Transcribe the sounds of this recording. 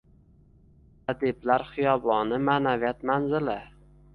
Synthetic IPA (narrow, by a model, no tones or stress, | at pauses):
ad̪eblaɾχɪjɒbɒnɪmaːnavijat̪manzɪlɪ